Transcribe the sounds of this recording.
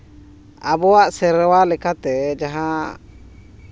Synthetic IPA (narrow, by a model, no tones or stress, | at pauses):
a̰bɔaʔsɛɾɛwalɛkat̪ɛd͡ʒaɦã